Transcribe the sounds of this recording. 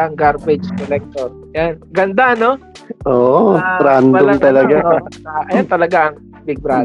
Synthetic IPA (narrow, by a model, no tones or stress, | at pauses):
ʔɐŋɡaɾbɛd͡ʒkolɛk̚t̪oɾ | janɡɐnd̪ano | ʔoːʔpɾand̪ont̪ɐlɐɡaʔɐjant̪ɐlɐɡaʔɐŋ | bɪɡ̚bɾa